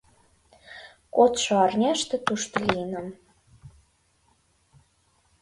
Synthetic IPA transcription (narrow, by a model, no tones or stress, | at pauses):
kot̪ʃoɑrnʲæʃt̪ĕt̪uʃt̪ɤ̆linəm